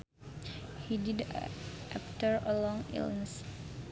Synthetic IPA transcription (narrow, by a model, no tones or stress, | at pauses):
hididʔaftəɹəlɔ̃ŋḭlnis